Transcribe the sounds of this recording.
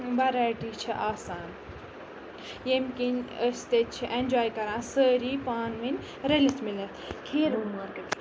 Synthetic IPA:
bɐɾaːjʈiːt͡ʃʰiʔaːsaːn | jemkinəst̪et͡ʃʰiʔẽnʲd͡ʒaːjkɐɾãːnsəːɾiːpaːnʋinʲ | ɾelit̪ʰmilɐt̪ʰkʰeːɾuːnʋɐɾkɐk

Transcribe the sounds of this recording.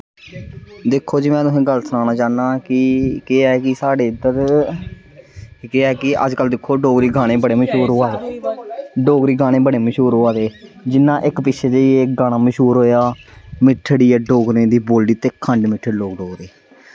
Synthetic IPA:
d̪ɪkʰːoːd͡ʒiːmɛ̃ːt̪ʊsẽːɡəlsnaːñaːt͡ʃaːnãːkɪkɪakɪsaːɖeːɪd̪əɾ | kɪaːkɪʔə̰d͡ʒkəld̪ɪkʰːoːɖoːɡɾiːɡʱaːɽ̃ẽːbəɽeːməʃuːɾɦoːaːeː | ɖoːɡɾiːɡʱaːɽ̃eːbəɽeːməʃuːɾɦoːaːd̪eːd͡ʒɪnːãːʔɪkpɪʃʰeːd͡ʒ̪eiekɡaːɽ̃aːməʃuːɾɦoːjaːmɪʈʰːɽiːaːɖoːɡɾẽːd̪iːboːlɖiːt̪eːkʰːəɳɖmɪʈʰːəɽloːɡɖoːɡɾeː

